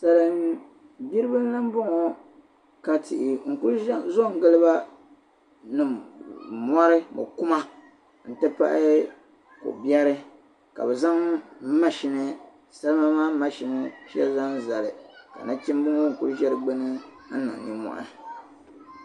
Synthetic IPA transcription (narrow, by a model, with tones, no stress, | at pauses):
sa˨lɨ˨ | bi˦ɾɨ˦bɨ˦n˦la˦m˦bʊ˦ŋɔ˦ | ka˦tʰɪ̰˨ʔɪ˨ŋ̩˨ku˦ɾzo˦˨ŋ˦ɡɨ˦lɨ˦ba˦ | nɨ˨ | mɔ˦ɾɨ˦mo̰˨ku˦ma˦ | n̩˨tɨ˦pa̰˦ʔɪ˦ | ko̰˨bjɛ˦ɾɨ˦ | ka̰˨bɛ˨za˦ŋ˦ma˦ʃi˨nɨ˦ | sa˦lɨ˦ma˦maː˦ma˦ʃi˨nɨ˦ʃɛ̰˦za˦ŋza˨lɨ˨ka̰˨na˦t͡ʃi˦m˦bʊ˦ŋɔ˦ŋ̩˨ku˦ɾʒɛ˦ɾɨ˨ɡ͡bɛ˦nɨ˦ | nːa̰˨ŋ˨ni˦mɔ̰˨ʔa̰˦˨